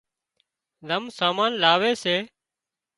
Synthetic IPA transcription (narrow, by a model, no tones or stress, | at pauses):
ləmsaːmaːnlaːʋeːseː